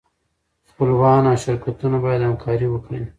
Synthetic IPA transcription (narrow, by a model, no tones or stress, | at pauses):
xpəlwɑnaʃɪɾkat̪unabɑjad̪hamkʰɑɾiwəkɽi